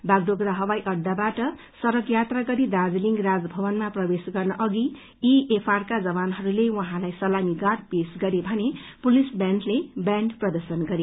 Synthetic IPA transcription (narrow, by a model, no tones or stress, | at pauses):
baɡd̪oɡɾaɦʌwajʔʌɖːabaʈʌ | sʌɾʌkjat̪raɡʌɾid̪ad͡zliŋɡrad͡zbʱʌbʌnmaprʌbesɡʌrnʌʔʌɡi | iepʰarkad͡zʌβanɦʌɾulewʌɦãlajsʌlamiɡaɾpesɡʌɾebʱʌnepulisbjanʈlebjaɳɖprʌd̪ʌrsʌnɡʌɾe